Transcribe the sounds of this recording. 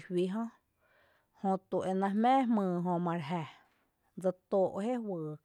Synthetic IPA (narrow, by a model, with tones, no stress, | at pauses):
hwi˧ɦɔ̃˦ | hõ˧t̪u˨ʔe˧˨nã˧hmẽː˦hmɨ̃ː˧˨ɦõ˧mã˧ɾɦæ˧˨ | d͡zə˧t̪o˧˨ʔɦe˦wɨː˨